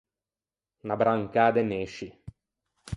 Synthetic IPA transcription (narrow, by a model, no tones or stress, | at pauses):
nabɾaŋkaːd̪eneːʃi